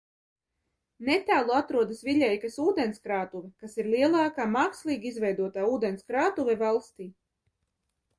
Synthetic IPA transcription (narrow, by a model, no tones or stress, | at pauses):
nɛt̪æːlˠuat̪ɾuɔd̪asviʎʲɛjkasuːd̪enskɾaːt̪uvɛkasiɾliɛlˠɑːkaːmaːkslˠiːɡizvɛjd̪uɔt̪aːuːd̪ɛnskɾaːt̪uvɛvalˠst̪iː